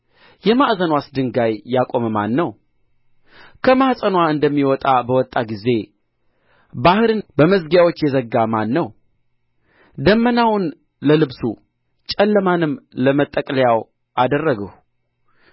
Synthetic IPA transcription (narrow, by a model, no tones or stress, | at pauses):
jɛmaʔzənwasd̪ɨŋɡajːakʼo̞mma̰nːəw | kʰəmasʼənwaɨnd̪əmːiwɔt̪ʼabəwɔt̪ʼːaɡize̞ | bahɨɾɨnbəməzɡjawot͡ʃːjɛzəɡːamanːəw | d̪əmːənawʊn | ləlɨβsṵ | t͡ʃʼɛlːəmanɨmləmət̪ʼːəkʼləjaw | ʔad̪ərːəɡəh